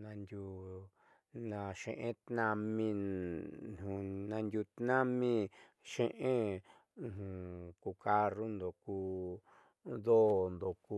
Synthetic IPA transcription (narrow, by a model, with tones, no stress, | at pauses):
nã˧nd̪ʲu˧ | nã˧ʃḛ̃˧ʔẽ˦t̪nã˧mĩ˧˨ | hũ˨nã˧ndʲu˧t̪nã˦mĩ˦ | ʃẽ˦ʔẽ˦˧˨ | hũ˨ku˧ka˧ru˦nd̪o˨kuː˧ | ðo˦nd̪o˨ku˧